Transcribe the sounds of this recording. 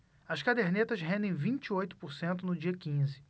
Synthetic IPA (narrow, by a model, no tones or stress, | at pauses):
ɐʃkad̪eɾnet̪ɐʃɦẽnd̪ẽj̃vĩt͡ʃiojt̪ʊ̥pʊɾsẽnt̪ʊnʊd͡ʒiɐkĩzɪ